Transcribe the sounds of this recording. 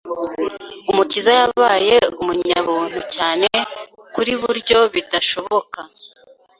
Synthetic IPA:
umutizajaβaːje̞umuɲaβuːn̥hucaːne̞ | kuɾiβuɾɟo̞βidaʃo̞βo̞ka

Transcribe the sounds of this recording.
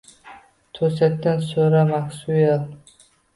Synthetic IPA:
t̪ʰɵsat̪ːansoɾamaksujal

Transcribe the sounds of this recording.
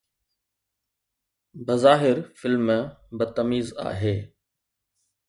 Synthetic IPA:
bɐzaːɦɪɾfɪlmbət̪əmiːza̰ːɦeː

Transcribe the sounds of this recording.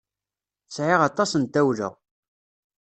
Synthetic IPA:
sʕɪʁɑt̪ˤːɑsənt̪æwlæ̰ʁ

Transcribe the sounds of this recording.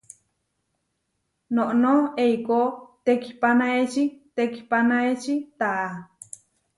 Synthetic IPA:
noʔnoeikot̪eki̥panaet͡ʃit̪eki̥panaet͡ʃit̪aʔa

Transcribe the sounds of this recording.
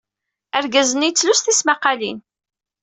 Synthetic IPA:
æɾɡæzənijt͡sːlust̪ismaqːɑlḭn

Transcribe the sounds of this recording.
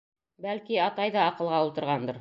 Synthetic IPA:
bælkiɑt̪ɑjðɑːqɤ̆lˠʁɑulˠt̪ɤ̆ɾʁɑnd̪ɤɾ

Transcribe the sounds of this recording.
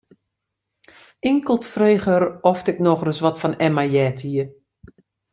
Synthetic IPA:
ɪŋkəlˠtfreːxəɾɔftɪk̚nɔxrəsʋɔtfɔnɛmajɛːtʰiə

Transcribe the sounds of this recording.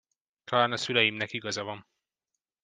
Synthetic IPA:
t̪ʰɒlaːnɒsylɛjimnɛkiɡɒzɒvɒn

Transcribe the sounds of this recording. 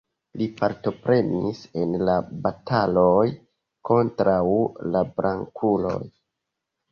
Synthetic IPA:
lipaɾto̞pɾe̞nḭsenlabatʰaloj | ko̞ntɾawlabɾaŋkʰulo̰j

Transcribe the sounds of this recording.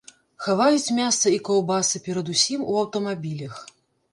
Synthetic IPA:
xavajut͡sʲmʲast̪sɐikɔwbasɨpʲɛɾɐd̪usʲimṵɐwt̪ɐmabʲilʲɐx

